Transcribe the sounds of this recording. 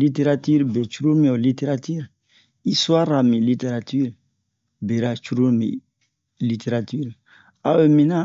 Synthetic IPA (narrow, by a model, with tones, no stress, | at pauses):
li˦te˦ɾa˦ti˦ɾbe˨t͡ʃu˦ɾo˦mĩ˨o˨li˦te˦ɾa˦ti˦ɾ | i˦swa˦ɾa˨mĩ˨li˦te˦ɾa˨ti˦ɾ | be˨ɾa˨t͡ʃu˦ɡo˦mḭ̃˨ | li˦te˨ɾa˨ti˦ɾ | a˦be˨mĩ˨na˦